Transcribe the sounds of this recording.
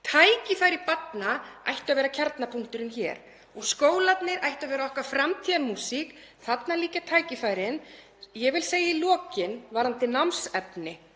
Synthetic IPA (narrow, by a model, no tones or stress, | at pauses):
t̪ʰaːjcɪfaːjɾɪpat̪naa̰jht̪ʏavɛːɾacʰaɾt̪napʰuŋ̥kt̪ʏɾɪnçɛ̰ːɾ | ɔɣskoːwlat̪nɪɾajht̪avɛːɾaɔhkvafɾamt̪ʰiamuːsik | θat̪naliːcat̪ʰaːjcɪfaːjɾɪn | jɛɣvɪlseːjailɔːcɪnvaɾant̪ɪnawmsɛpnɪ